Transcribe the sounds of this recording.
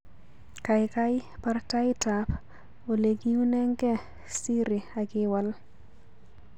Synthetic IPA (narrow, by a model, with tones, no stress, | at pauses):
kajkaɪparta˦jtap | o˨le˨ɡi˦u˦nɛ˦ŋɡɛ˦ | si˦ɾi˨aɡɪ˦wa˨l